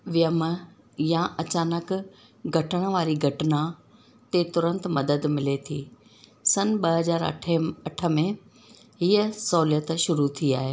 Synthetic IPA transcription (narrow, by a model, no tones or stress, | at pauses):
ʋɪjəmə | jãʔɐt͡ɕaːnək | ɡʱɐʈəɽ̃əʋaːɾiɡʱɐʈɪna | t̪et̪ʊɾə̃nt̪mɐd̪əd̪mɪlet̪ʰiː | sɐnɓɐɦɐzaːɾɐ̰ʈʰɐʈʰə̆mẽ | ɦiːəsɔːlijət̪ʃʊɾut̪ʰia̰ːɦeː